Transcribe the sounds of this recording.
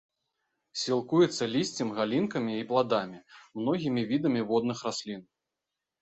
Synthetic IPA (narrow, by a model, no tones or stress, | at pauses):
sʲilˠkujɛt̪sːɐlʲisʲt͡sʲimɣalʲinkɐmʲiːplˠad̪amʲimnɔɣʲimʲivʲid̪ɐmʲivɔd̪nɨxrasʲlʲin